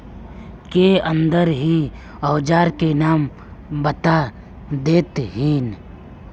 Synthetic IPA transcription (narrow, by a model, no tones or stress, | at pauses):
keə̃nd̪əɾɦi | ɔʊd͡ʒaːɾkenaːm | bət̪a | d̪eːt̪ɦiːn